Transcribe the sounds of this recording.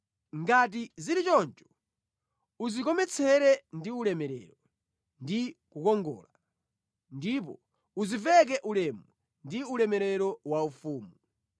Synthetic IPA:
ŋɡat̬iziɾit͡ʃɔnt͡ʃɔ̥ | uzik̬ɔmɛt͡sʰɛɾɛndiulɛmɛɾɛ̰ːɾɔ | ndikukɔŋɡɔ̰ːla | ndip̬ɔ̰ | uzivɛk̬ɛʔulɛmu | ndiulɛmɛɾɛɾɔwaufuːmu

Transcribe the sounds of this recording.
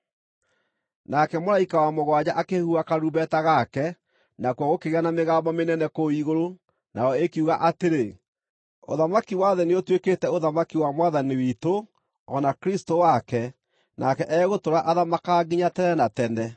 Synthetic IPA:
nakɛmoɾaikawamoɣwad͡ʑaʔakehuakaɾubɛtaɣakɛ | nakwaɣokeɣeanameɣabɔmenɛnɛkoiɣoɾo | naɔekiuɣaʔateɾe | o̰ðamakiwaðɛneotweketɛoðamakiwamwaðaniwito | ɔnakeɾistowakɛ | nʔakɛʔɛɣotoɾaʔaðamakaɡiɲatɛnɛnatɛndɛ

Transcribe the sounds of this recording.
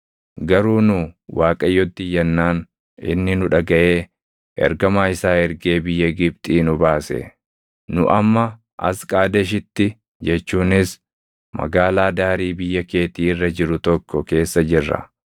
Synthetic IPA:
ɡɐɾuːnʊwaːkʼɐjːɔt̪ːɪjːɐnːaːn | ɪ̰nːɪnʊᶑɐɡɐʔe̞ː | ʔɛ̰ɾɡɐmaːɪsaːɛɾɡe̞ːbɪjːɐɡɪb̚t̪ʼiːnʊbaːsɛ̰ | nʊ̰ʔɐmːɐ | ʔɐskʼaːd̪ɛʃ̬ɪt̪ːɪ | d͡ʒɛt͡ʃːuːnɪs | mɐ̰ɡaːlaːd̪aːɾiːbɪjːɐke̞ːt̪iːɪrːɐd͡ʒɪɾʊt̪ɔkːɔke̞ːsːɐd͡ʒɪrːɐ̰

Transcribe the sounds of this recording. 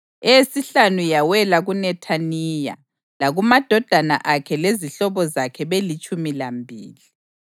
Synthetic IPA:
esiɬanujawɛlaɣunɛtʰaniːja̰ | laɣumad̥ʱɔd̥ʱana̰ʔakʰɛleziɬɔβɔzakʰɛβelit͡ʃʼumilambʱiːli

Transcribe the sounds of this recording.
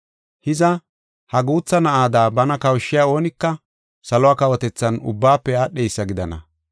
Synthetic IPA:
hɪzɐ | hɐɡuːt͡sːɐnɐʔaːd̪aːbɐnɐkɐwʃːɪjaːo̞ːnɪkːɐ | sɐlʊwaːkɐwɔt̪ɛt͡sːɐnʊ̰bːaːpːɛjaːɗejsːɐɡɪd̪ɐ̰nɐ̰

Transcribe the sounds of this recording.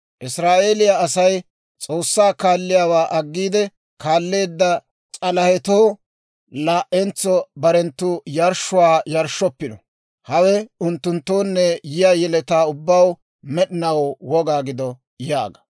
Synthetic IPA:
ʔɪsɾaːʔeːlɪjaɐsɐj | t͡sʼo̞ːsːaːkaːlːɪjaːwaːʔɐɡːiːd̪ɛ | kaːlːe̞ːd̪ːɐ | t͡sʼɐlɐhɛt̪oː | laːʔɛnt͡sːɔbɐɾɛnt̪ːʊjɐɾʃːʊwaːjɐɾʃːɔpːɪnɔ | hɐwɛʊnt̪ːʊnt̪ːoːnːɛjɪjajɛlɛt̪aːʊbːɐw | mɛɗɪnɐwwɔɡaːɡɪd̪ɔ | ja̰ːɡɐ̥

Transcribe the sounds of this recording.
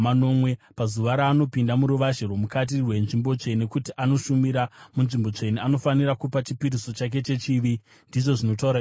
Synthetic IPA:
ano̞mwe̞pazuʋaɾaːno̞pindamuɾuʋaʒerwomukat̬irwe̞nʐimbo̞t͡ʂe̞nekutiʔano̞ʃumiɾamunʐimbo̞t͡ʂe̞niano̞fanirakupat͡ʃipiɾiso̞t͡ʃak̬e̞t͡ʃe̞t͡ʃiʋi | ndiʐo̞ʐino̞t̬auɾa

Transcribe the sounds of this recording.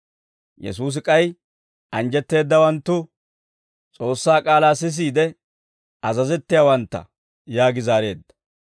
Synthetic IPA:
jɛ̰suːs̬ɪkʼɐj | ʔɐnd͡ʒɛt̪ːe̞ːd̪ːɐwɐnt̪ːʊ | t͡sʼo̞ːsːaːkʼaːlaːsɪs̬iːd̪ɛ | ɐzɐzɛt̪ːɪjaːwɐnt̪ːɐ̰ | jaːɡɪzaːɾe̞̰ːd̪ːɐ̥

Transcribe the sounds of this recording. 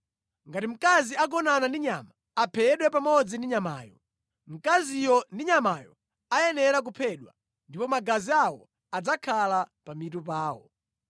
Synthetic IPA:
ŋɡatim̩kaziak̬ɔnanandiɲama | apʰɛɗwɛpamɔd͡zindiɲama̰ːjɔ | m̩kazijɔndiɲamaːjɔ | ajɛnɛɾak̬upʰɛɗwa | ndipɔmaɡaziawɔ̰ | ad͡zakʰalapamitup̬aːwɔ̰

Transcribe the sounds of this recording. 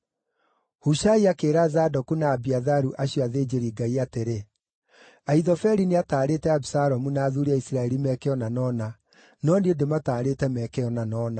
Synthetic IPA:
huʃaiakeːɾazadɔkunaːbiaðaɾuʔaɕjɔaðed͡ʑeɾiːɡaiateɾe | aiðɔfɛɾiniataːɾetɛabisaɾɔmunaːðuɾiaisiɾaɛɾimɛkɛɔnanɔːna | nɔndiendemataːɾetɛmɛkɛɔnanɔːna

